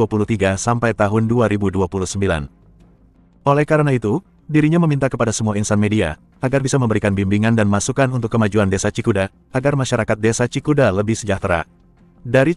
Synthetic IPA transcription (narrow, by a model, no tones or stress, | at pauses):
apulut̪iɡasampajt̪aɦʊnduaɾibuduapuluhsəmbila̰n | olɛhkaɾənait̪u | diɾiɲaməmint̪akəpadasəmuainsanmedia̰ | aɡarbisaməmbəɾikanbimbiŋandanmasukanunt̪ʊkːəmad͡ʒuandesat͡ʃikuda | aɡarmaʃaɾakat̪̚desat͡ʃikudaləbɪhsəd͡ʒaht̪ɾa̰ | daɾi